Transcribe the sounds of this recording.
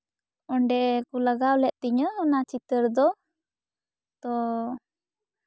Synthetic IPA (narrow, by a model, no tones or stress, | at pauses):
ɔɳɖɛkulaɡawlɛʔ̚t̪iɲəːnat͡ʃit̪əɾd̪ɔ | t̪ɔ